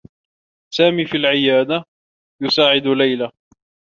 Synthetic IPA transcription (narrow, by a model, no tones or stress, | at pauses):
saːmiːfilʕɪjaːd̪a | jʊsaːʕɪd̪lajla